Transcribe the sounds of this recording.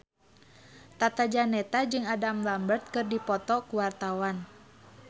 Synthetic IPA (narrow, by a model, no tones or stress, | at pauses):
t̪at̪ad͡ʒanɛt̪ad͡ʒɨŋadamlambərt̪̚kɨrdipɔt̪ɔkuwart̪awan